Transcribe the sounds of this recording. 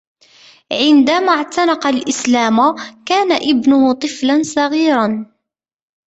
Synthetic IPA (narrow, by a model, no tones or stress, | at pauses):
ʕɪnd̪amaʕt̪ɑnɑqɑlʔɪslaːmʊkaːnaʔɪbnʊhʊt̪ˤɨflansˤɑɣiːɾˤɑn